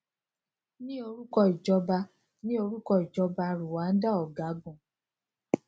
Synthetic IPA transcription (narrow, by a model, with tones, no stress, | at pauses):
nĩ˦o˧ɾu˦kɔ˦˨i˨d͡ʒɔ˧ba˧ | nĩ˦o˧ɾu˦kɔ˦˨i˨d͡ʒɔ˧ba˧ɾu˨wa˨˦n̩˦da˦ɔ˨ɡa˨˦ɡũ˦˨